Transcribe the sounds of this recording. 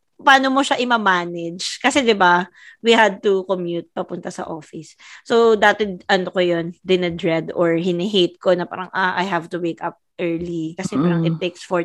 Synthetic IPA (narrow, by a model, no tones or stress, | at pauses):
paːnomoʃaʔɪmɐmaːnɛd͡ʒkɐsɛd̪ɪba | wiɦad̪̚t̪ʊkomjut̪̚pɐpʊnt̪ɐsɐ̰ʔofɪsːod̪aːt̪ɛʔɐnokojond̪ɪnɐd̪ɹɛd̪ɔɹɦɪnɛɦejt̪̚konɐpa̰ːɾɐŋʔaʔa̰jɦavt̪ʊwekɐp̚ʔɛɹlikɐsɛpaːɾɐŋɪt̪ːeksfɔ